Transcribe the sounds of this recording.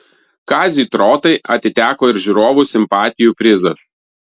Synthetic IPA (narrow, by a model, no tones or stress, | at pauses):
kɑːzʲit̪ɾoːt̪ɐɪʔɐt̪ʲɪt̪ʲæːkoːɪɾʲʒʲuɾoːʋusʲɪmpɑːt̪ʲɪjuːfʲɾʲɪzɐs